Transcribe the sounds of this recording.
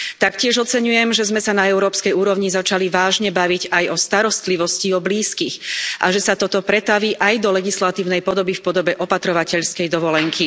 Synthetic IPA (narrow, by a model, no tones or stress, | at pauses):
t̪akcɪɛʒɔt͡sɛɲujɛmʒɛzmɛsanaɛʊɾɔːpskɛjuːɾɔʊɲizat͡ʃaliʋaːʒɲɛbaʋiɟajɔst̪aɾɔst̪liʋɔsciɔbliːskixʔa̰ʒɛsat̪ɔt̪ɔpɾɛt̪aʋiːʔajd̪ɔlɛɡislat̪iːʊnɛjpɔd̪ɔbifpɔd̪ɔbɛʔɔpat̪ɾɔʋacɛʎskɛjd̪ɔʋɔlɛŋkʰi